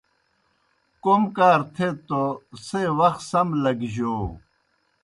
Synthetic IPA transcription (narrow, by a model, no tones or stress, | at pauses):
komkaːɾt̪ʰet̪osewɐxsɐmlɐɡʑoː